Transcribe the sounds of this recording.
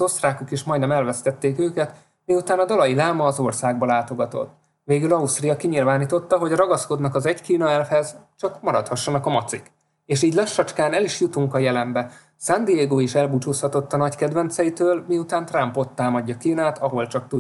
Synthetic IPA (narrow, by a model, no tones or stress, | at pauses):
o̞st̪raːkukiʃmɒjd̪nɛmɛlvɛst̪ɛt̪ːeːkøːkɛt̪ | miut̪aːnɒd̪olɒjilaːmɒːzo̞rsaːɡbɒlaːt̪o̞ɡɒt̪o̞̰t̪ː | veːɡylɒust̪rijɒkiɲilvaːniːt̪o̞t̪ːɒɦo̞ɟrɒɡɒsko̞d̪nɒkɒzɛɟkiːnɒɛlfhɛzt͡ʃɒkmɒɾɒt̪hɒʃːɒnɒkɒmɒt̪sik | eːʃiːɟʲlɛʃːɒt͡ʃkaːnɛliʃjut̪uŋkɒjɛlɛmbɛ | sand̪ijeːɡoːiʃɛlbut͡ʃuːshɒt̪o̞t̪ːɒnɒckɛd̪vɛnt̪sɛjit̪øːlmiut̪aːnt̪rampo̞t̪ːaːmɒɟːɒkiːnaːt̪ʰɒɦo̞lt͡ʃɒk̚t̪u